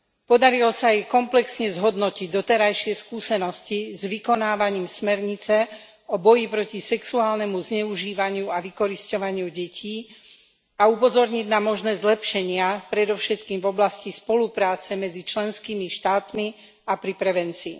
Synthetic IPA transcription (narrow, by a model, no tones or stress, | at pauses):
pɔd̪aɾilɔsaɛkɔmplɛksɲɛzɦɔd̪nɔciɟ̚d̪ɔt̪ɛɾajʃɪɛskuːsɛnɔscizʋikɔnaːʋaɲiːmsmɛɾɲit͡sɛ | ɔbɔjipɾɔcisɛksuaːlnɛmuzɲɛuʒiːʋaɲɪuaʋikɔɾiscɔʋaɲɪuɟɛcʰiː | aupɔzɔɾɲiɟnamɔʒnɛːzlɛpʃɛɲɪapɾɛd̪ɔfʃɛt̪kiːmvɔblascispɔlupɾaːt͡sɛmɛd͡zit͡ʃlɛnskimiʃt̪aːt̪mi | apɾipɾɛʋɛnt͡siː